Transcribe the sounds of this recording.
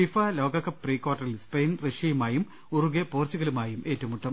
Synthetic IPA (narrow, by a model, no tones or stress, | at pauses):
fifɐlo̞ːɡɐkːɐpːriːkwaːrʈːɐrilspejnreʂijumaːjum | uruɣepoːrt͡ɕːuɣɐlumaːjumʔe̞ːtːɐʋɐmuʈːɐm